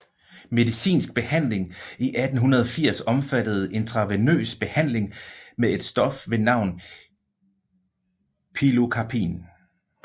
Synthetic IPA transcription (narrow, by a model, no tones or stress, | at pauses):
me̝ðˠisḭːnsɡ̥̚b̥e̝hæn̰le̝ŋiʔæd̥n̩ɦunɐð̞ˠɒ̽fiɐ̰sɒ̽mfæd̥əð̞̩ˠʔe̝nt͡sʰʁɑ̈ʋenø̰ːsb̥e̝hæn̰le̝ŋmee̝d̥sd̥ɒ̽fʋe̝nɑ̈ʊ̰n | pʰilo̝kʰɑpʰḭːn